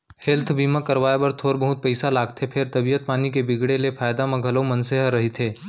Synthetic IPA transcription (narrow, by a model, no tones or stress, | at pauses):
helt̪ʰbiːmãkɐɾʋaːebɐɾt̪ʰoːɾbəɦʊt̪̚pɛɪsalaːɡt̪ʰepʰɪɾt̪ɐbijət̪̚paːnik̬ebɪɡɽelepʰaːjd̪amẽɡʱɐlomɐ̃nseɦəɾːɐɦit̪ʰeː